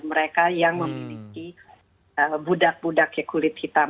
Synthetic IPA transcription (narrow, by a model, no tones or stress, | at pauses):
məɾekajaŋməmiliki | əbudak̚budakjakulɪt̪̚hit̪a